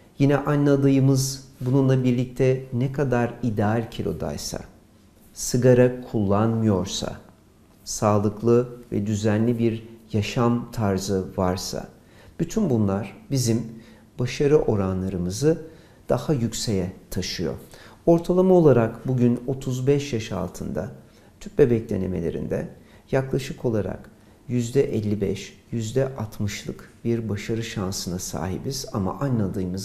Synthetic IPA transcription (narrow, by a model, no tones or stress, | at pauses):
jinɛʔanlːˠad̪ɯjɯmɯzbununlˠabiɾlʲic̚t̪ʰɛnɛkʰad̪aɾid̪ɛalʲcʰilʲo̞̰d̪a̰jsa̰ | sɯɡaɾakʰulˠːanmɯjo̞ɾsa̰ | saːlˠɯklˠɯvɛ̰d̪yzænlʲibiɾjaʃamt̪ʰaɾzɯvaɾsa̰ | b̥yt̪ʰynbunlˠaɾ̥bizim | baʃaɾɯʔo̞ɾanlˠaɾɯmɯzɯ | d̪̥ahajycʲsejɛt̪ʰaʃɯjo̞̰o̞ɾt̪ʰalˠamao̞lˠaɾakbuɟyno̞t̪ʰuzbɛʃjaʃa̰lˠt̪ʰɯnd̪a̰ | t̪ʰyp̚bebɛc̚d̪ʲe̞ne̞̰melʲe̞̰ɾḭnd̪ɛ̰ | jaklˠaʃɯkʰo̞lˠaɾa̰k | jyzd̪ɛʔɛlʲːibɛʃjyzd̪ɛʔat̪ʰmɯʃlˠɯkbiɾbaʃaɾɯʃansɯnasa̰ːɦḭbiz̥ama̰ʔanlˠad̪ɯːmɯz